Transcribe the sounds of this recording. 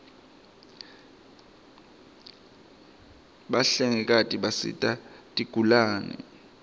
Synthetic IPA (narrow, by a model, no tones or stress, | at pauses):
ɓaɬɛŋɛk̬ʼatʼiɓasḭtʼatʼiɡ̥ʱulaːnɛ̰ɛ̰